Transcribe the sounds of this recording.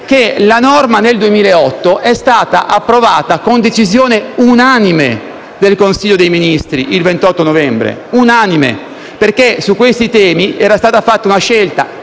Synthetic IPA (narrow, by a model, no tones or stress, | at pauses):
kelanɔrmaneld̪uemiːlaeɔt̪ːoʔɛst̪aːt̪a̰ʔapːɾovaːt̪akond̪et͡ʃizjoːneunanime | d̪elkonsiʎːod̪ejminist̪ɾiʔilvent̪ɔt̪ːonovɛmbɾḛunaːnimḛ | perkesukːwest̪it̪ɛːmiɛːɾast̪aːt̪afat̪ːaunaʃːelt̪a̰